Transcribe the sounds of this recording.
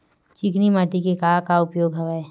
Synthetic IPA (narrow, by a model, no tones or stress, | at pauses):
t͡ʃɪknimaːʈikekaːkaʊpjoːɡɦɐʋae